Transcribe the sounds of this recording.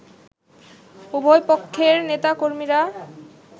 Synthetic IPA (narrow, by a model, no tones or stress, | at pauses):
ubʱojpokʰːeɾnet̪akoɾmiɾa